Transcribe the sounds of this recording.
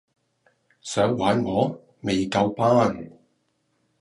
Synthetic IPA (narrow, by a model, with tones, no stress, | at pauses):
sœː˨˥ŋwaː˨˧˥nŋɔː˨˧ | me˨jkɐ˧wpaː˥n